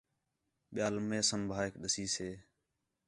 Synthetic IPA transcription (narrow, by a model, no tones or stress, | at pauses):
ɓɪjaːlmẽːsəmbʱaːekɗəsiːseː